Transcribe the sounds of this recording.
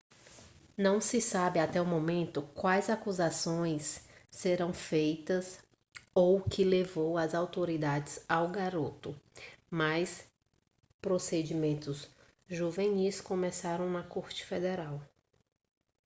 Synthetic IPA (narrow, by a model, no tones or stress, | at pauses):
nɐ̃w̃sɪsabɪat̪ɛʊmõmẽnt̪ʊkwajzakuzasõj̃sːeɾɐ̃w̃fejt̪ɐs | owkɪlevowɐzawt̪oɾid̪ad͡ʒɪz̥awɡaɾot̪ʊmajs | pɾosed͡ʒimẽnt̪ʊz | ʒuveniskõmɛsaɾɐ̃w̃nɐkoɾt͡ʃɪ̥fed̪eɾaw